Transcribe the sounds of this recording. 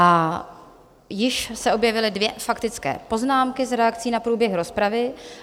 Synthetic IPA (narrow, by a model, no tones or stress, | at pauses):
a | jɪʃsɛʔo̞bjɛvɪlɪdvjɛfakt̪ɪt͡skɛ̰ːpo̞znaːmkɪzɾɛakt͡siːnapɾuːbjɛxɾo̞spɾavɪ